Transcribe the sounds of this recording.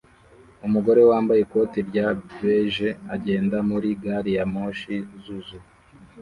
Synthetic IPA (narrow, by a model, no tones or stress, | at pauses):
umuɡo̞ɾewaːmbajeko̞tiɾɟabeʒeaɟe̞ːndamuɾiɡaɾijamoːʃizuzu